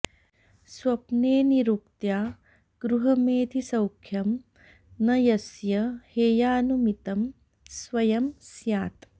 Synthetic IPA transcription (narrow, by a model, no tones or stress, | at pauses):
swɐpneːniɾuk̚t̪jaː | ɡ̥ɾuɦɐmeːd̪ʰʱisɐwkʰjɐm | nɐjɐsjɐheːjaːnumit̪ɐm | swɐjɐmsjaːt̪